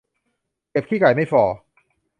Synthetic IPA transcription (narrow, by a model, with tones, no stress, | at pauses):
ke˨˩p̚kʰiː˥˩ka˨˩jma˥˩jfɔː˨˩